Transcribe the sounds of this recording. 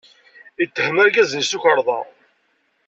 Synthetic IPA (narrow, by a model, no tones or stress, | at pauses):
ət̪ːəhəmæɾɡæzənsuçəɾˤðˤɑ̰